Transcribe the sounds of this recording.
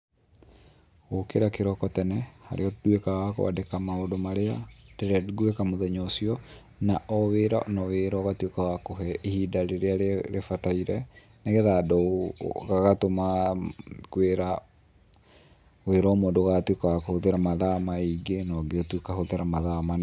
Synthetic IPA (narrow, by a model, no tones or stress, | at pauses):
ɣokeɾakeɾɔkɔtɛnɛha̰ɾʔeɔdwekawako̰a̰dekamaodomaɾeadeɾaɡwekamoðɛɲosiɔ | naʔɔweːɾaʔnɔweɾɔɣatwekawakoɦɛehidaɾeɾeaɾeɾefataiɾɛ | neɣeðadoɣaɣatoma | kweɾa | weɾɔmoːndoɣatwekawakohoðeɾamaðamaiɡenɔːɡeotwekahoðeɾamaðaman